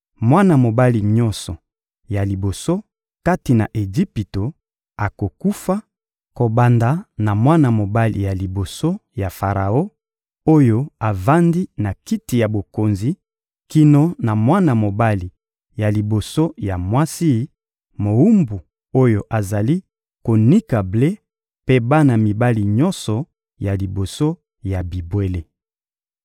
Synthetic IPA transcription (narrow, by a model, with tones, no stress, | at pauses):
mwa˦na˨mo˨ba˦li˨ɲɔ˦nsɔ˨ | ja˨li˨bo˨so˦ | ka˦ti˨na˨ʔe˨zi˦pi˨to˨ | a˨ko˨ku˦fa˦ | ko˨ba˨nda˨na˨mwa˦na˨mo˨ba˦lḭ˨ja˨li˨bo˨so˦ja˨fa˨ʁa˨o˦ | o˦jo˦a˨va˦ndi˦na˨ki˦ti˨ja˨bo˨ko˨nzi˨ | ki˦no˦na˨mwa˦na˨mo˨ba˦li˨ | ja˨li˨bo˨so˦ja˨mwa˦si˦ | mo˨u˦mbu˨ | o˦jo˨ʔa˨za˨li˦ | ko˨ni˦ka˨ble˦ | pe˦ba˦na˨mi˨ba˦li˨ɲɔ˦nsɔ˨ | ja˨li˨bo˨so˦ | ja˨bi˨bwe˨le˨